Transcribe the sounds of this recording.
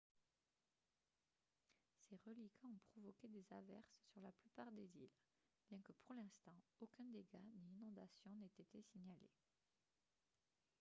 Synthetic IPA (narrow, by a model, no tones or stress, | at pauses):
seʁəlikʰɑ̃ɔ̃pχɔvɔkʲed̪ezavɛ̰ʁsːyʁlaplypaʁd̪ezil | b̥jɛ̃kəpuʁlɛ̃st̪ɑ̃okʲɛ̃d̪eɡaniːnɔ̃d̪asjɔ̃nɛt̪et̪esiɲalḛ